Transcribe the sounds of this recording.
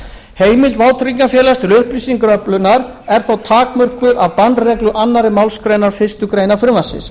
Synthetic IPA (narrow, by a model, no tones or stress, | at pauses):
heːjmɪlt̪vaːwt̪ʰɾiŋkafjɛːlast̪ɪlʏhpɾisiŋkɾœplʏnaɾ | ɛɾ̥θawt̪ʰaːkmœr̥kvʏðavpant̪rɛklʏʔanːaɾɪmawlskɾejnaɾ̥fɪ̥st̪ʏkɾeːjnafɾʏmvasɪ̰s